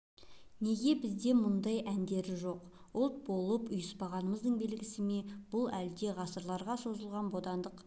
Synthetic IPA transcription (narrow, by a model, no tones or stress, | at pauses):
ne̞ɡʲe̞bɪzd̪e̞mʊnd̪ɑjænd̪e̞ɾɪʒo̞q | ʊlˠt̪̚bo̞lˠəpʊjəspɑʁɑnəməzd̪əɴbe̞lɡʲɪsɪme̞b̥ʊlˠæld̪e̞ʁɑsəɾlˠɑɾʁɑso̞zəlˠʁɑnbo̞d̪ɑnd̪əq